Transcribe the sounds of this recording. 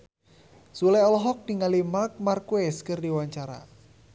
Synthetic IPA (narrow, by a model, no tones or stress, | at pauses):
sulɛɔlɔɦɔk̚niŋalimark̚markuɛskɨrdiwaɲt͡ʃaɾa̰